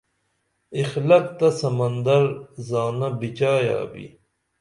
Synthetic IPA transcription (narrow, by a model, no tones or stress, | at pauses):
ixlɐk̚t̪ɐsɐmɐnd̪ɐɾzaːnɐbit͡ɕaːja̰ːbḭ